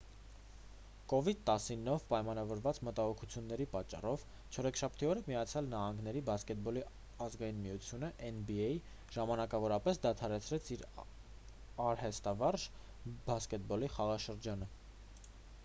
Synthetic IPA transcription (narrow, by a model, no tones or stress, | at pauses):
kɔvid̪̚t̪ɑsinːɔvpɑjmɑnɑvɔɾvɑt͡smət̪ɑɦɔkʰut͡sʰjunːɛɾipɑt͡ʃːɑ̰rɔv | t͡ʃʰɔɾɛkʰʃɑpʰt̪iɔɾəmijɑt͡sʰjɑlnɑhɑŋɡn̪ɛɾibɑskɛt̪̚bɔli | ɑzɡɑjinmijut͡sʰjunəʔɛnbiɛji | ʒ̥ɑmɑnɑkɑvɔɾɑpɛsd̪ɑt̪ʰɑɾɛt͡sʰɾɛt͡sʰiɾ | ɑɾhɛst̪ɑvɑrʒ | bɑskɛt̪̚bɔliχɑʁɑʃəɾd͡ʒɑnə